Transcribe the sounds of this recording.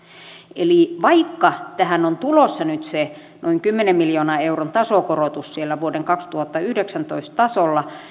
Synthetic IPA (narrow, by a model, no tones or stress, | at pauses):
eliˑʋɑikːɑt̪æhænont̪ulosːɑnyt̪se | nʔoiŋkymːenemmiljoːnɑeuront̪ɑsoˑkorot̪ussielːæʋuodeŋkɑkst̪uhɑt̪ːɑyhdeksænt̪oist̪t̪ɑsolːɑ